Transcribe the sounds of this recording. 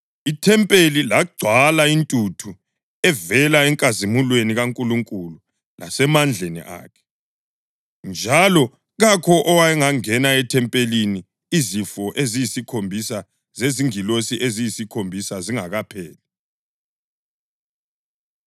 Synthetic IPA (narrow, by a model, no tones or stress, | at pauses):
itʰɛmpʼelilaɡ͡ǀʱwalaintʼutʰu | ɛvɛlaɛŋkʼazimulweniɣaŋkʼuluŋkʼulu | la̰sɛmand͡ɮʱenḭʔa̰ːkʰɛ̥ | nd͡ʒʱalɔ | ɣakʰɔʔɔwaɛŋaŋɛnaɛtʰɛmpʼelini | izifɔʔezijisikʰombʱisa | zeziŋilosiʔezijisikʰombʱisaziŋaɣapʰɛːlɛ